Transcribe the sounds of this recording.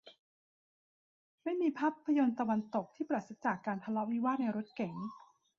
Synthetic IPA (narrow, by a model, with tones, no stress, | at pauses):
ma˥˩jmiː˧pʰaː˦˥˩pʰːa˧jo˧nt̪a˧wa˧nt̪o˨˩k̚t̪ʰiː˥˩pɾa˨˩t̪̚se˨˦˥t͡ɕaː˨˩kːaː˧nt̪ʰa˧lɔ˦˥wi˦˥waː˥˩t̪̚na˧jɾo˦˥t̪̚kɛ˩˦ŋ